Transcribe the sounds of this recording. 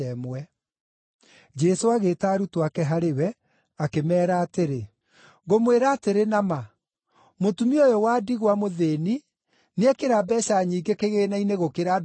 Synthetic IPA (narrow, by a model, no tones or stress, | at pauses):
ɛmwɛ | d͡ʒɛsoaɣeːtaːɾutoakɛɦaɾewɛ | akemɛːɾaːteɾe | ɣomweɾaːteɾenama | motumiojɔwadiɣwamoðeːni | neɛkeɾabɛɕaɲiːɡekeɣeːnaineɣokeɾa